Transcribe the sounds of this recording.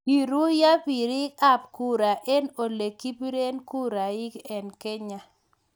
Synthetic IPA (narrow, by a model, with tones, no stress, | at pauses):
i˨ɾu˦ja˦pi˨ɾi˦ka˦˨p̚ku˦ɾa˨ʔe˦no˨le˨ki˦pi˦ɾe˦nku˦ɾa˨ɪ˦kɛ˨nke˦ɲa˦